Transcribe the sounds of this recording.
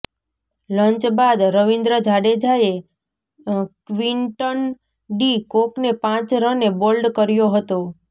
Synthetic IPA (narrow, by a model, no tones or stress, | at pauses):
ləɲt͡ʃbad̪ɾəʋind̪ɾəd͡ʒʱaɽed͡ʒae | kʋiɳʈən | ɖikoknepãt͡ʃɾənebolɖkəɾjoɦət̪o